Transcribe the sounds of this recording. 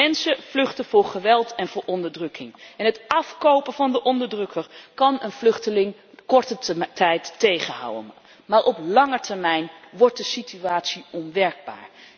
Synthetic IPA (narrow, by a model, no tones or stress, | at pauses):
ɛnsəv̥lɵχtənv̥ʊːɹχəʋɛlˠtɛnvʊːɹʔɔndəɹdrɵkʰɪŋɛnɦətɑfkowpəvɑndəʔɔndəɹdrɵkʰəɹkɑnənv̥lɵχtəlɪŋ | kɔɹtətɛjtːejχənɦa̰wə̰n | maːɹʔɔplɑŋəɹtɛɹmɛjnʋɔɹt̚dəsityaːtsiɔnʋɛɹɡ̚ba̰ːɹ